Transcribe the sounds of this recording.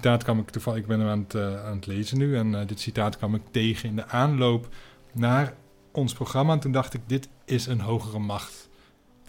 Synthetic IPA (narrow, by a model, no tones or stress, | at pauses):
taːtkɑmɪktufɑɪɡ̚bɛnəmaːnətaːnətlejzənːyɛndɪtsitaːtkʋɑmɪk̚tejχənɪndəʔaːnlowp | naːr | ʔɔnsproχrɑmantundɑχtɪɡ̚dɪtɪsənɦowχərəmɑχt